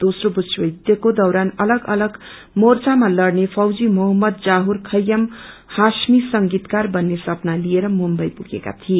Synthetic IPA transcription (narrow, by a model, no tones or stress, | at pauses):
d̪̥osrobusʰwʌjd̪jʌkod̪ʌwɾanʌlʌɡʌlʌɡ | mort͡samalʌɽnepʰʌwd͡zimoɦʌmːʌd̪̚d͡zaɦurkʰʌjːʌmhasmisʌŋɡit̪karbʌnːesʌpnalieɾʌmumbʌjpuɡeka̰t̪ʰie